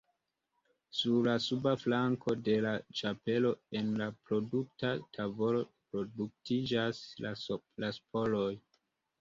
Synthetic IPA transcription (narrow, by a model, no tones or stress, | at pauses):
suɾlasubaflaŋkʰo̞de̞lat͡ʃape̞lo̞e̞nlapɾo̞duk̚tatʰavo̞ɾo̞pɾo̞duk̚tid͡ʒaslalaspʰo̞lo̞j